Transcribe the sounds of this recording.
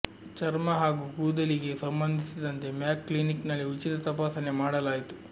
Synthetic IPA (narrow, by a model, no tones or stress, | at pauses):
t͡ʃɐɾmɐɦaːɡuːkuːd̪ɐliɡe̞sɐmbɐnd̪ʱisid̪ɐnt̪e̞mjaːkːliniknɐlːiut͡ʃit̪ɐt̪ɐpaːsɐne̞maːɽɐlaːjit̪u̥